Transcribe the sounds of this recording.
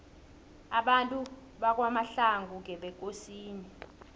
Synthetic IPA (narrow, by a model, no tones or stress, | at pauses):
aɓantʼu | ɓak̬wamaɬaŋɡʱuk̬ɛɓɛk̬ʼosiːni